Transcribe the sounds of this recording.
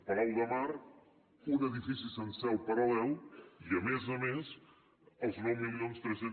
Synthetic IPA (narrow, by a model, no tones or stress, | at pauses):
pəɾɛlˠd̪əmaɾ | unəðifisisənsɛwˠpəɾəlɛliəmezəmes | əlˠznɔwmilˠionst̪ɾəse